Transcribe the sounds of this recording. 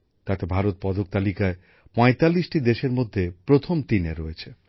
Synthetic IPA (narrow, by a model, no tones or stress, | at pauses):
t̪at̪ebʱaɾot̪̚pɔd̪ok̚t̪alikae | pɔ̃et̪alːiʃʈid̪eʃeɾmod̪ʱːepɾot̪ʰomt̪ineɾɔet͡ɕʰe